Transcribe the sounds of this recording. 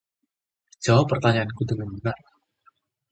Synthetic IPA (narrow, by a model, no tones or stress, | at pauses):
d͡ʒ̥awapːərt̪aɲaʔankudəŋanbənar